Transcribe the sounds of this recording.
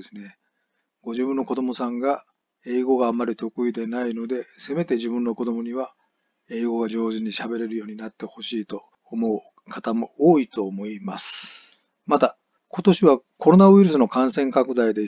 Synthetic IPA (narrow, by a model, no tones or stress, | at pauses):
esɨne̞ | ɡ̥o̞ʑibɯ̟̃nːo̞ko̞d̪o̞mo̞sãŋɡa | e̞ːɡo̞ɡaːmːaɾʲit̪o̞kɯ̟id̪e̞naino̞d̪e̞se̞me̞t̪e̞ʑibɯ̟̃nːo̞ko̞d̪o̞moɲ̟iβa | e̞ːɡo̞ɡad͡ʑo̞ːzɨɲ̟iɕabe̞ɾe̞ɾɯ̟jo̞ːɲ̟inat̪ːe̞ho̞ɕiːt̪o̞ː | mo̞ɯ | kʰat̪amo̞oːit̪o̞ːmo̞imasɨ̥ | mat̪a | ko̞t̪o̞ɕiβa | ko̞ɾo̞naɯ̟iɾɯ̟sɨno̞kãsẽ̞ŋkakɯ̟d̪aid̪e̞